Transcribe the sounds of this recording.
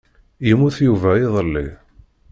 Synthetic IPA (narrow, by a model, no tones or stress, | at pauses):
jəmuθjuvæjiðˤəlːi